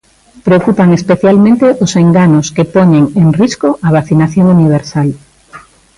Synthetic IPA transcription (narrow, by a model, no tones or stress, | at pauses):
pɾeokupaŋespeθjalmẽnt̪eʔoseŋɡanʊskepoɲeŋeŋriskoʔaβ̞aθinaθjoŋuniβ̞eɾsal